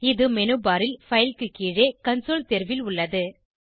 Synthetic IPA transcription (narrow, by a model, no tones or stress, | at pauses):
ɪðɯmɛnɯbaːɾɪlfɐɪjlkɯkːiːɻeːkɐnsoːlt̪ɛɾʋɪlʊɭːɐðɯ